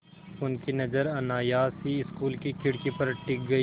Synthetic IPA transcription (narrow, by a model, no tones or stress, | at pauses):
ʊnkinɐzəɾɐnaːjaːsiɪskuːlkikɪɽkipɐɾʈɪk̚ɡɐiː